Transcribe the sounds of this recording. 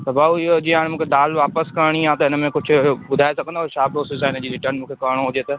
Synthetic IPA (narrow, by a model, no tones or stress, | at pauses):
t̪ɐbaːuɪod͡ʑiaːɽ̃mũːkʰed̪aːlʋaːpəskɐɽ̃ijãt̪ɐɪnə̆mẽkʊd͡ʑʱʰʊ̆bʊd̪ʱaːesɐɡʱənaːʃaːpɾoːsɪsaːɪnəd͡ʑiːɾɪʈəɾnmũːkʰekɐɽ̃oɦʊd͡ʑet̪ɐ